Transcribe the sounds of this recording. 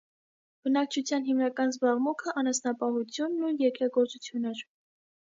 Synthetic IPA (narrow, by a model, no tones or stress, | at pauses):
b̥ənɑk̚t͡ʃʰut͡sʰjɑnɦimnɑkɑnzbɑʁmukʰəʔɑnɑsnɑpɑhut͡sʰjunːujɛkɾɑɡɔɾt͡sut͡sʰjunɛɾ